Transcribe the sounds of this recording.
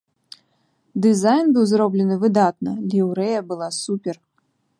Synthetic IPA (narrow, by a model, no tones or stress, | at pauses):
d̪ɨzajnbɨwzroblʲɛnɨvɨd̪at̪nɐlʲiwɾɛjɐbɨlˠasupʲɛr